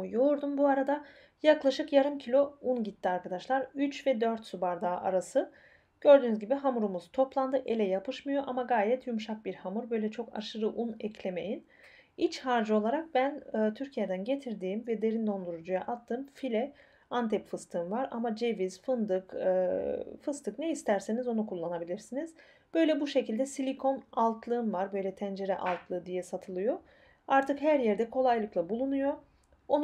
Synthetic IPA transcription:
ujoɾd̪umbuaɾad̪a | jaklˠaʃɯkjaɾɯmcʰilʲo̞unɟit̪ʰːiaɾkad̪aʃlˠaɾyt͡ʃvɛd̪øɾt̪subaɾd̪aːʔa̰ɾasɯ | ɟ̥ø̞ɾd̪yːnyzɟibiɦamuɾumuzt̪ʰo̞plˠand̪ɯʔe̞lʲɛjapʰɯʃmɯjo̞ʔamaɡaːjɛt̪ʰjumʃak̚biɾhamuɾbø̞jlʲɛt͡ʃʰo̞ka̰ʃɯɾɯʔunɛcʰlʲe̞me̞jin | it͡ʃhaɾd͡ʒɯo̞lˠaɾak̚bænɯːt̪ʰyɾcʰijed̪ænɟe̞t̪ʰiɾd̪iːmvɛd̪e̞ɾind̪o̞nd̪uɾud͡ʒuja̰ʔat̪ʰːɯmfilʲɛ | ant̪ʰɛpfɯst̪ʰɯːnvaɾa̰mad͡ʒe̞viz̥fɯnd̪ɯkː | fɯst̪ɯkneist̪ʰæɾsenizo̞nukʰulˠːanabilʲiɾsiniz | b̥ø̞jlʲɛbuʃe̞cilʲd̪ɛsilʲikʰo̞nalˠt̪ʰlˠɯɯnvaɾbø̞jlʲɛt̪ʰænd͡ʒe̞ɾɛʔa̰lˠt̪ʰlˠɯd̪ijɛsat̪ʰɯlˠɯjo̞ | aɾt̪ʰɯkhæɾjɛɾd̪ɛkʰo̞lˠajlˠɯklˠabulˠunujo̞ | on

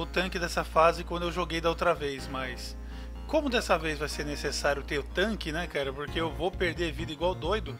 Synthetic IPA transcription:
ʊt̪ɐ̃kɪd̪ɛsɐfazɪkwɐ̃nd̪ʊewʒoɡejd̪ɐowt̪ɾɐvejsmɐjs | kõmʊd̪ɛsɐvejzvajseɾnesesaɾjʊt̪eɾʊt̪ɐ̃kɪnɛkaɾɐpoɾkeewvopeɾd̪eɾvid̪ɐiɡwawd̪ojd̪ʊ

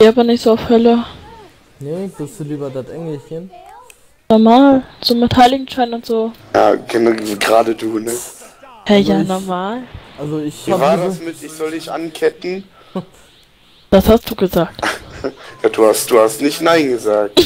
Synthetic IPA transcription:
eːʔaːbɐnɪçtz̥oːaʊfhœlə | nev̥ɪsd̥uliːbɐdatʔɛŋɪçneːm | nɔɐmaːlz̥oːmɪtʰaɪlɪɡŋ̩ʃaɪnʊntz̥oːja̰ːɡənaɡʁaːdəduːnəhajaːnɔɐmaːlʔalzoɪçvivaːɐdasmɪtɪçz̥ɔldɪçʔa̰nkʰɛtn̩ | d̥ashast̚d̥uːɡəzaːk̚t | jaːd̥uːhastd̥uːhastnɪçtnaɪnɡəzaːk̚t

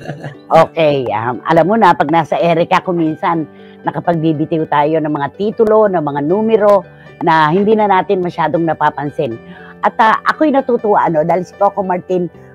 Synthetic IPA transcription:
ʔoːkɛjʔa̰mʔɐ̰lamːonɐpɐɡ̚naːsɐʔɛːɾɪkakʊminsɐnː | ɐkɐpɐɡ̚bibɪt̪ɪkʊt̪aːjo̞nɐŋmɐŋat̪iːt̪ʊlo̞nɐŋmɐŋanuːmɛɾo̞ | nɐhɪnd̪iːnɐnaːt̪ɪnmɐʃaːd̪oŋnɐpaːpɐnsɪnʔɐt̪aʔɐkojnɐt̪uːt̪ʊwaʔɐno̞d̪aːhɪlsɪ̥t̪oɐkomaɹt̪ɪn

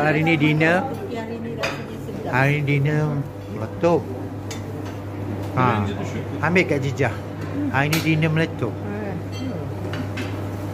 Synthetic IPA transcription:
aɾinidinə | aɾinidinə | mələt̪op̚ | a | amɪʔkaʔd͡ʒid͡ʒah | aɾinĩdinəmlət̪ʊp̚

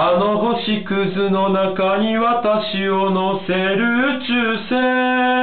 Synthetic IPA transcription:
ano̞ɦoɕikɯ̟zɨno̞nakaɲ̟iβat̪aɕionoseɾɯ̟t͡ɕɨːseː

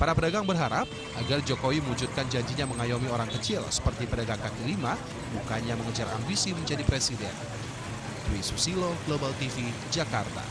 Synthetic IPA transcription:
paɾapədaɡaŋbərɦaɾap̚ | ʔaɡard͡ʒokowiməŋud͡ʒut̪̚kand͡ʒaɲd͡ʒiɲaməŋajomioɾaŋkət͡ʃɪlsə̥pərt̪ipədaɡaŋkakilima | bukaɲaməŋəd͡ʒara̰mbisiməɲd͡ʒadipɾesidɛ̰n | t̪uwisusiloɡlobalt̪ifi | d͡ʒakart̪a̰

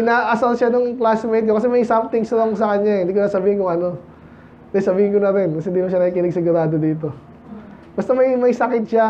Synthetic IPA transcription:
ɪnaʔɐsɐlʃanʊŋplasmejt̪kokɐs̬ɛmɐjsamt̪ɪŋsalɐŋsɐkɐɲjahɪnd̪ik̬onasɐbiːhɪnkʊŋɐno̞ | nɐjsɐbiːhɪnkonɐt̪ɪnkɐsɛhɪnd̪ilɐŋʃanɐkikɪnɪɡsɪɡʊɾaːd̪od̪iːt̪̬o̞ | bɐst̪ɐmɐjmɐjsɐkɪt̪̚ʃa

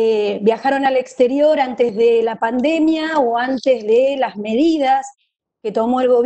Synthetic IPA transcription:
ebjaxaɾo̞nalekst̪e̞ɾjo̞ɾant̪ezðelapand̪e̞mjaoant̪ezðelazme̞ðið̞as | ke̞t̪o̞mo̞elɣo̞β

